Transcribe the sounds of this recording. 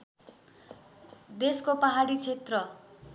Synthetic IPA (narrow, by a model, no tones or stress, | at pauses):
d̪eskopaɦaɽit͡sʰet̪rʌ